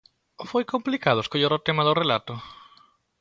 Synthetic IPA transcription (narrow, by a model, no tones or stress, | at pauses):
fojkomplikaðʊeskoʎaɾʊt̪emaðʊrelat̪ʊ